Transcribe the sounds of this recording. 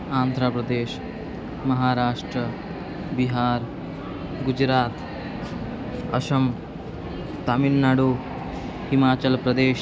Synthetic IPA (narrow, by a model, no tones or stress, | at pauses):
aːnd̪ʱɾapɾɐd̪eːʃ | mɐɦaːɾaːʂʈɾɐ | biɦaːɾ | ɡud͡ʒɾaːt̪ | ɐʃɐm | t̪aminːaɽu | himaːt͡ʃɐlpɾɐd̪eːʃ